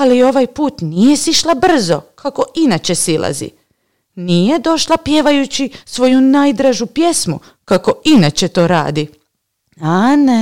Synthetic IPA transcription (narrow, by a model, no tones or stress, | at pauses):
alio̞ʋajpuːt̪nije̞siʃlˠabr̩zo̞kʰako̞ʔinat͡ʃe̞sila̰zḭ | nije̞d̪o̞ʃlapje̞ʋajut͡ɕisʋo̞junaːjd̪ɾaʒupje̞smṵ | kako̞inat͡ɕet̪o̞ːɾa̰ːd̪i | ane